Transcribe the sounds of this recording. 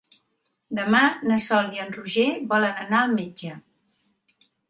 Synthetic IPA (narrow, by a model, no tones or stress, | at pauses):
d̪əmanəsɔlˠiənruʒeβɔlənənaəlˠmed͡ʒə